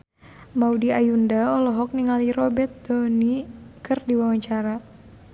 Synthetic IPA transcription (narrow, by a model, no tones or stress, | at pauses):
maudiajundaɔlɔɦɔk̚niŋaliɾɔbɛt̪̚dɔnikɨrdiwawaɲt͡ʃaɾa